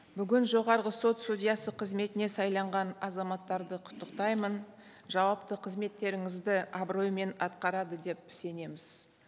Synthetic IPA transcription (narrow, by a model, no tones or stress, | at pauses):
bʏɡʲɪnʒo̞ʁɑɾʁəso̞t̪st̪ud̪ʲijɑsəqʰəzme̞t̪ɪne̞sɑjlˠɑɴʁɑnɑzɑmɑt̪ːɑɾd̪əqʰʊ̥t̪ːəqt̪ɑjmən | ʒɑwɑpt̪əqʰəzme̞t̪ːe̞ɾɪŋɪzd̪ɪɑbro̞jme̞nɑt̪qɑɾɑd̪əd̪e̞p̚se̞ne̞mɪz̥